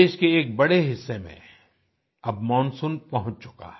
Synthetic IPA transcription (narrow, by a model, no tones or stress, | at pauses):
eːʃkeːk̚bɐɽeɦɪsːemḛ̃ | ɐbmɔ̃ːnsũnpɐɦʊ̃t͡ʃt͡ʃʊ̥ka̰ː